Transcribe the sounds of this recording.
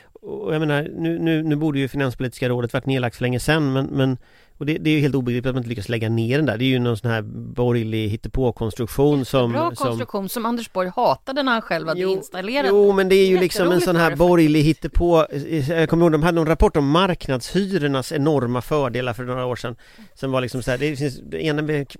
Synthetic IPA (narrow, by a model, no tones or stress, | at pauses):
ɔɔjameːnaɾnʉ̟ːnʉ̟ːnʉ̟ːbuːɖəjɵfɪnanspʰʊliːt̪ɪskaɾoːd̪ət̪vaʈːneːɭak̚t̪fœɭɛŋːəsɛnːmɛnmɛn | ɔd̪ɛd̪ɛæɾjɵhelt̪uːbɛɪɡɾiːp̚t̪t̪mnɪt̪lʏkːaslɛɡːaneːɖɛnd̪æ̰ːɖɛːɾjɵnɔnsɔnhæːɾbɔɾjlɪɦɪt̪ːɛpʰoːkʰɔnst̪ɾɵkɧuːnsɔmːsɔmɧuːnsɔmand̪ɛʂbɔɾjhɑːt̪ad̪ənanɧɛlvat̪juɪnst̪aleːɾauːmɛnd̪ɛæɾjɵlɪksɔmɛnsɔnɦæːɾbɔɾjlɪɦɪt̪ːɛpʰoːkʰɔmːəɾhɔɡd̪ɔmad̪ənɔnɾapʰɔʈːɔmːaɾknad̪shyːɾəɳasɛnɔɾmafœːɖeːlaɾfœɳoːɾaoːʂɛn | sɔmvalɪksɔmsɔæːɖ̪ɛfɪnseːnənvɛ